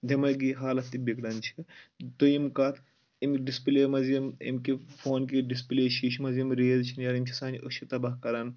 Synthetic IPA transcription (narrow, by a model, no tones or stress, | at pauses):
d̪ʱʲɐmɐɡiɦaːlɐt̪ːibekɽɐnt͡ʃʰi̥t̪oimkɐt̪ | imkɖispileːmɐzimḭmkifʰoːnkiɖispileːʃiʃmɐzimɾeːzt͡ʃʰinjɐɾimt͡ʃʰisaːnd͡ʒoʃʰit̪ɐbɐhkɐɾɐn